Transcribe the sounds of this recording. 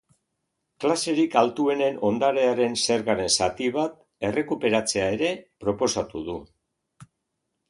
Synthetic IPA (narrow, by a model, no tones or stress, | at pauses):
klase̞ɾikalt̪ue̞ne̞no̞nd̪aɾe̞aɾe̞nse̞ɾɣaɾe̞nsat̪iβ̞at̪ | e̞re̞kupe̞ɾat͡se̞ae̞ɾe̞pɾo̞po̞sat̪uðu